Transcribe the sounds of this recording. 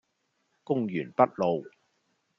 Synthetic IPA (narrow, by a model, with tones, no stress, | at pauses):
kʊ˥ŋjyː˨˩npɐ˥t̚lo˨w